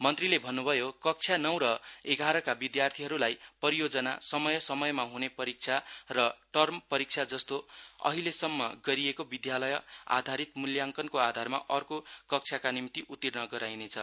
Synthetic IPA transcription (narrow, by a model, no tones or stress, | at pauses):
mʌnt̪rilebʱʌnːubʱʌjokʌk̚t͡sʰjanʌw̃ɾʌeɡʱaɾʌkabid̪jart̪ʰiɦʌɾulajpʌɾijod͡zʌna̰sʌmʌjʌsʌmʌjmaɦunepʌɾik̚t͡sʰarʌʈʌrmpʌɾik̚t͡sʰad͡zʌst̪oʌ̰ɦilesʌmːʌ̰ɡʌɾiekobid̪jalʌja̰d̪ʱaɾit̪muljaŋkʌnkoad̪ʱarma̰ʔʌrkokʌk̚t͡sʰjakanimit̪iʔut̪ːirnʌɡʌɾajnet͡sʰʌ